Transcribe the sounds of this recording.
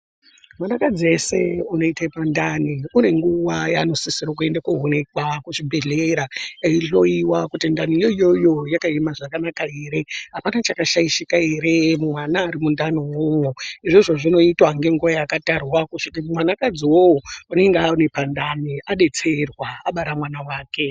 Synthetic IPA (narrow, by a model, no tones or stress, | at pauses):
mwanakad͡ziese̞uno̞itepandaniuɾeŋɡuʋajano̞sisiɾok̬ue̞ndakuɦonekwakuʐibʱe̞ɮeɾaiɬo̞iwakutindanijoijojo̞jakaimaʐakanakaeɾe̞ɦapanat͡ʃakaʃaiʃikaeɾe̞mumwanaːɾimundanowowoiʐoʐo̞ʐino̞itwaŋɡe̞ŋɡuwajakatarwakuʃikimumwanakad͡ziwowoune̞ŋɡeaunepandaniaɗe̞t͡se̞rwaaɓaɾamwanawaːke̞